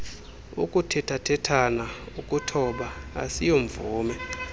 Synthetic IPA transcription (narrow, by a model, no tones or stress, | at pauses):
ṵkʼutʰɛtʰatʰɛtʰana | ukʼutʰɔɓaa̰sijoɱvuːmɛ